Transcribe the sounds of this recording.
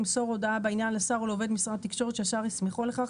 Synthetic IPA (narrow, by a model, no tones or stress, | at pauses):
imso̞ʁod̪aabeinjanlesaʁuleove̞d̪misʁatt̪ːikʃo̞ʁet̪ʃeaʃaʁismeχuleχaχ